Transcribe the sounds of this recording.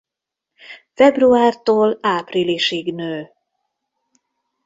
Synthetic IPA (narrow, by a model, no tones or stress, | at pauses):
fɛbruaːrt̪oːlaːpriliʃeːɡnøː